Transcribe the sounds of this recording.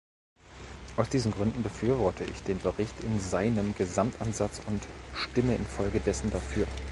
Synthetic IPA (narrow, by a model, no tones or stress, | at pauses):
ʔaʊsd̥iːzn̩ɡʁʏndn̩bəfyːɐvɔɐtʰəɪ̰çd̥eːnbəʁɪçtɪnzaɪnəmɡəzamtʔanzat͡sʊntʃtɪməʔɪ̰nfɔlɡədɛsn̩dafyːɐ